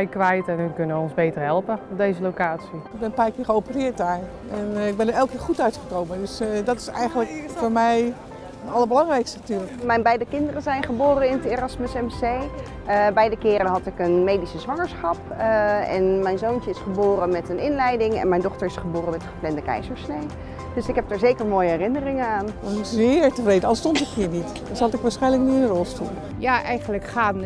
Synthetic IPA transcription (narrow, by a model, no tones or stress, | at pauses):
ɛjkʋɛjtɛnykønəʋəɔnzbejtərɦɛlˠpəɔdejzəlokaːtsiɪɡ̚bɛnəpaːkɪːɹχəowpərɪəɹt̚aj | ɛnɪɡ̚bɛnəɹɛlˠkɪːɹχutœɥtχəkowməndøsdɔtɪ̥sɛ̰jɣənləkfoːɹmɛj | nɑlˠəbəlɑŋrɛjkstəntyːləkmɛjnbɛjdəkɪndərəzɛjnχəboːɾənɪnətɪrɑsməsɛmsej | bɛjdəkɪːɾənɦɑtɪkənmejdisəzʋɑŋəɹsχɑpɛ̰nmɛjnzownt͡ʃəɪsχəboːrənmɛtənɪnlɛjdɪŋɛ̰nmɛjndɔχtəɹɪsχəboːrənmɛtəχəplɛndəkɛ̰jzəɹsnej | d̥øsɪkɦɛb̚daːɹzejkəɹmoːjəɦɛrɪnərɪŋənaːnɑsɪkzɪːɹtəvrejdəɑstɔntɪkɦiːɹnit | ɑshɑtɪkʋaːɹsχɛjnlək̚nyənərɔlˠstṵl | jaːʔɛjχənləkχaːn